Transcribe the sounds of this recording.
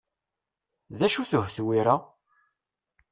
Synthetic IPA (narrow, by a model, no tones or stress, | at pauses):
ðæʃuθəhvθwiɾa